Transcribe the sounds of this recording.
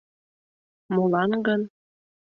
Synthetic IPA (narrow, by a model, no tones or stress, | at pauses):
molɑnɡɤn